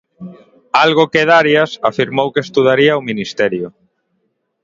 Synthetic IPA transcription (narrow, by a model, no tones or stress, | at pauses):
alɣʊkeðaɾjasafiɾmowkest̪uðaɾiaominist̪ɛɾjʊ